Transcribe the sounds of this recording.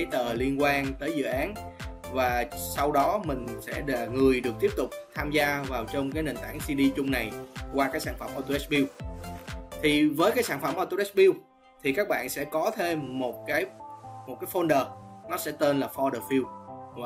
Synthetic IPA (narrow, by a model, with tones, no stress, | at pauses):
ə˨˦jt̪əː˨˩li˧ənkwaː˧nt̪əː˨˦jzɨ̰˧˨ʔaː˨˦nvaː˨˩sa˧wɗɔ˨˦mï˨˩ŋ̟sɛ̰˧˥ɗŋɨ˨˩əjɗɨ˨˩ək̚t̪i˦˥əp̚t̪ʊ˨˩k͡p̚t̪ʰaː˧mzaː˧vaː˨˩wt͡ɕɔ˧wŋ͡mkaː˨˦jne˨˩nt̪a̰ː˧˩ŋsi˧ɗi˧t͡ɕʊ˧ŋ͡mna˨˩jkwaː˧kaː˨˦˥k̚saː˧˩nfə̰˧˩mʔɔ˧t̪o˧ʔɛ˦˥ɓi˧w | t̪ʰi˨˩vəː˨˦jkaː˨˦jsaː˧˩nfə˧˩mʔɔ˧t̪o˧ʔɛ˦˥ɓi˧w | t̪ʰi˨˩kaː˦˥k̚ɓa̰ː˧˨nsɛ̰˧˥kɔ˨˦t̪ʰe˧mːo˨˩t̚kaː˨˦jmo˨˩t̚kaː˨˦jfo˧nɗəː˨˩nɔ˨˦sɛ̰˧˥t̪e˧nlaː˨˩fɔ˧ɗəː˨˩fi˧w